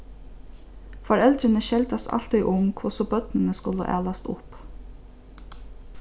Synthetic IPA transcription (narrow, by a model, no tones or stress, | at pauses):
faɾɛlt̪ɾɪnəʃɛlt̪ast̪a̰l̥t̪iʔʊmkʰvʊsɔbœt̪nɪnəskʊlə̰ʔæ̰ːlast̪ʊ̰p